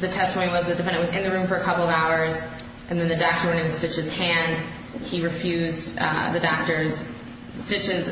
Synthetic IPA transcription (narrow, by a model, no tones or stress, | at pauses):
ðɨtʰɛstəmõʊ̃niwʌzðɨd̥ɨfɛ̃ndɨ̃nʔwʌzɨ̰̃nðɨɹʉ̃ɱfə˞ɨkʰʌpl̩ˠʌvaʊə˞z | ʔɨ̃nðɨ̃nðɨdɑk̚tə˞ɛ̃ñɪ̃ŋtʰɨstɪt͡ʃhɨz̥hæ̃nd̥ | iɹɨfjʉzdðɨdɑk̚tə˞z̥ | stɪt͡ʃɪz̥